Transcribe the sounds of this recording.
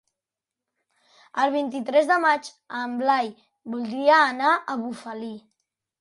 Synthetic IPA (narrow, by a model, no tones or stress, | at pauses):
əlˠβ̞int̪it̪ɾɛzðəmad͡ʒ | əmblaj | bulˠd̪ɾiəːnaʔəβufəli